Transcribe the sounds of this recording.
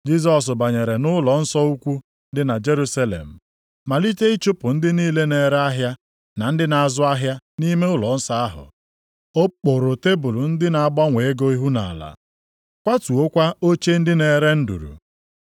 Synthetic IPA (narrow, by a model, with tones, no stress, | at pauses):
d͡ʒi˦zɔ˨s̬ʊ˨ba˨ɲe˨ɾe˨nʊ˦lɔ˨n̩˦sɔ˦u˦kʷu˦ | n̩˦dɪ˦na˨d͡ʒe˦ɾu˦sa˦lḛ˨m̩˨ | ma˨li˦te˦i˦t͡ʃʊ˦pʊ˨n̩˦dɪ˦niː˦le˦ne˨ɾe˦a˦ɦja˦ | na˨n̩˦dɪ˦na˨a˨zʊ˦a˦ɦja˦ni˦me˦ʊ˦lɔ˨n̩˦sa˦a˦ɦʊ̰˨ | o˦k͡po˨ɾʊ˨te˦bu˨lʊ˨n̩˦dɪ˦na˨a˨ɡ͡ba˦ŋʷe˨e˦ɡo˦i˦ɦu˦na̰˨a˨la̰˨ | kʷa˦tu˨o˦kʷa˦o˦t͡ʃe˦n̩˦dɪ˦ne˨ɾe˦n̩˦dṵ˨ɾṵ˨